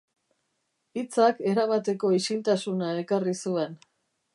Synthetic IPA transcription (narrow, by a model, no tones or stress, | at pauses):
it͡sake̞ɾaβat̪e̞ko̞isilt̪asunae̞karisue̞n